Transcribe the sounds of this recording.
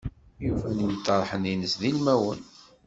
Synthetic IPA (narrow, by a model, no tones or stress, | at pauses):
jufænjt̪ːɑɾˤħəninəsðilmæwən